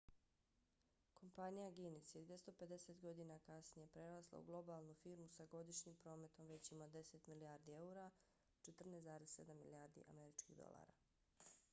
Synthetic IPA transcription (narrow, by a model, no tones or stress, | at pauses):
kʰo̞mpanijaɡinised̪ʋʲje̞st̪o̞pe̞d̪e̞set̪ɡo̞d̪inakasnije̞pɾeɾaslˠa̰ṵɡlˠo̞baːlˠnufiɾmusaɡo̞d̪iʃɲiːmpɾo̞ːme̞t̪o̞mʋe̞t͡ɕimad̪e̞set̪miliaɾd̪ie̞uɾa | t͡ʃet̪r̩nezaːɾesse̞d̪amːiliaːɾd̪ḭʔa̰me̞ɾit͡ʃkḭɣd̪o̞̰lˠa̰ːɾa̰